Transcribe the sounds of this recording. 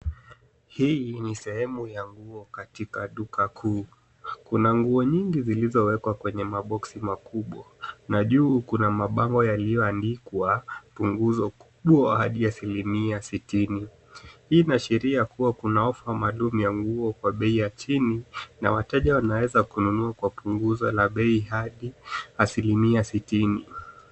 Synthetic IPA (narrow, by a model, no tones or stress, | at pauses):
hiːnisɛhɛmujaŋɡuɔkatikaɗukakʰuː | kunaŋɡuɔɲiŋɡizilizɔwɛkwakwɛɲɛmaɓɔksimakuɓwanaʄuːkunamaɓaŋɡɔjalijɔandikwapuŋɡuzɔku̥ɓwɔhaɗiasilimiasitini | hiːnaʃɛɾiakuwakunaɔfwamaːlumujaŋɡuɔkwaɓɛijat͡ʃinina̰watɛʄawanawɛzakununuakwapuŋɡuzɔlaɓɛihaɗiasilimiasitini